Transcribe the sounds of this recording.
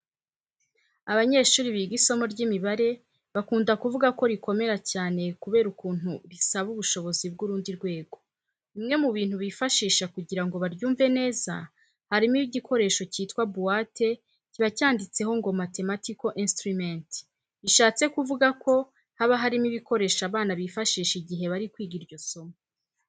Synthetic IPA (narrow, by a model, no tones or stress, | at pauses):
aβaɲe̞ːʃuːɾiβiɡiso̞mo̞ɾɟimiβaɾe̞ | βakuːndakuvuɡako̞ɾiko̞me̞ɾacaːne̞kuβe̞ːɾukuːn̥uβisaβuβuʃo̞βo̞zibɡuɾuːndiɾɡwe̞ːɡo̞ | imŋe̞muβiːn̥huβifaʃiːʃakuɟiɾaŋɡo̞βaɾɟuːɱve̞ne̞ːza̰ | haɾimiβiɟikʰo̞ɾe̞ːʃo̞ciːtkwabuwate̞ | ciβacaːndit͡se̞ɦo̞ŋɡo̞mate̞matiko̞ʔĩnstɾument | iʃaːt͡se̞kuvuɡakʰo̞ | haβaɦaɾimiβiko̞ɾe̞ːʃaβaːnaβifaʃiːʃiɟiɦe̞βaɾikwiːɡiɾɟo̞so̞mo